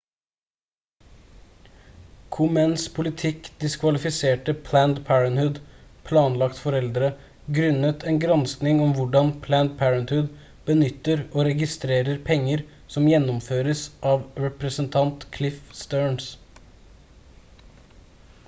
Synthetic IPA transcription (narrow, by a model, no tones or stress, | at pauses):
kʰʊmænspʰʊlɪt̪ʰɪkd̪ɪskʰʋɑlɪfɪseːʈəpʰlænd̪pʰæːɹənhʉd̪pʰlɑːnlɑkt̪fɔɾɛld̪ɾə | ɡɾʉnət̪ʰɛːnɡɾɑnsknɪŋɔmʋʊɖɑnpʰlænd̪̚pʰæːɹənt̪hʉd̪ | b̥ənʏt̪ːəɾoːɾɛɡɪst̪ɾeːɾəɾpʰɛŋːəɾ | sɔmjɛnːʊmføːɾəsʔɑːʋɾɛpɾəsənt̪ʰɑnt̪kʰlɪfst̪øːɳs